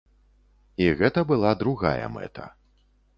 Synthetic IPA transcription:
iɣɛt̪ɐbɨlˠad̪ɾuɣa̰jɐ̰mɛ̰t̪ʰɐ̰

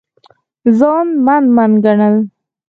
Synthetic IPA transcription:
zɑnmanmanɡaɳəl

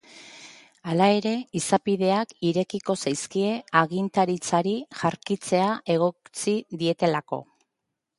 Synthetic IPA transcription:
alae̞ɾe̞isapiðe̞akiɾe̞kiko̞sajskie̞aɣint̪aɾit͡saɾiʝaɾkit͡se̞aʔe̞ɣ̞o̞t͡siðie̞t̪e̞lako̞̰

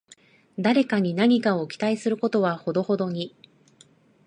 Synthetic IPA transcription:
d̪aɾe̞kaɲ̟inaɲ̟ikao̞kʲi̥t̪aisɨɾɯ̟ko̞t̪o̞βaho̞d̪o̞ho̞d̪o̞ɲ̟i

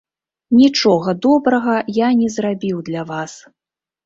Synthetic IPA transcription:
nʲit͡ʂɔɣɐd̪ɔbɾɐɣɐjanʲɛzrabʲiwd̪lʲavas

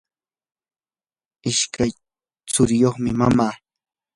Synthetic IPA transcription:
ɪʃkʰaj | t͡sʊɾɪjoχmɪmamaː

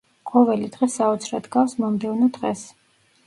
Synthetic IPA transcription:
qʼɔvɛlid̪ʁɛsaɔt̪sʰɾad̪ɡafsmɔmd̪ɛvnɔd̪ʁɛs

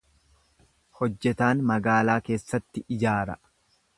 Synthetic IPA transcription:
hɔd͡ʒːɛt̪aːnmɐɡaːlaːke̞ːsːɐt̪ːɪʔɪd͡ʒaːɾɐ

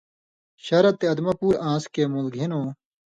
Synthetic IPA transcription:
ɕɐɾɐt̪ːeɐd̪mɐpuːɾãːskeːmulɡʱinõː

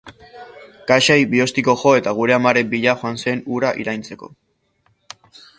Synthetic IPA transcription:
kaʃajbio̞st̪iko̞ʝo̞e̞t̪aɣ̞uɾe̞amaɾe̞mbiʎaxoansenuɾaʔḭɾajnt͡se̞ko̞̰

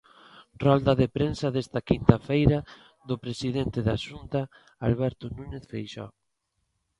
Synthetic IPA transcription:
rɔld̪aðepɾensaðest̪ɐkint̪afejɾa | ðʊpɾesiðent̪ɪðaʃunt̪a | alβɛɾt̪ʊnũneθfejʃɔ̰

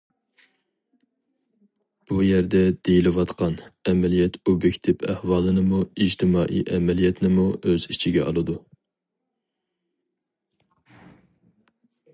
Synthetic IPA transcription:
b̥ujɛɾd̪ɛd̪̥ejilɪwɑt̪qʰɑnɛmɛlijɛt̪ʰobjekʲt̪ʰɪpʰæ̰hwɑːlˠɨnɨmuid͡ʒt̪ʰɪmɑːʔḭʔɛmɛlijɛt̪ʰnɪmuøzit͡ʃʰiɡʲɛʔɑ̰lˠɨd̪u

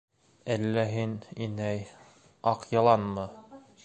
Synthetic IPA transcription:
ælːæɦininæj | ɑqjɑ̆lˠɑnmɤ

